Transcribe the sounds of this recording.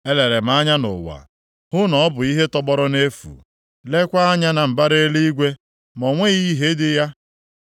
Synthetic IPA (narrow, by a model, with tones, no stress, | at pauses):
e˦le˨ɾe˨m̩˨˦a˦ɲa˦nʊ̰˨wa̰˨ | hʊ˦nɔ˨ɔ˦bʊ˨i˦ɦe˦tɔ˦ɡ͡bɔ˦ɾɔ˦ne˦fṵ˨ | le˦kʷa˦a˦ɲa˦na˨m̩˨ba˦ɾe˦li˦i˦ɡʷe˦ | mɔ˨ŋʷe˦ɣi˦ɦe˦dɪ˦ja˦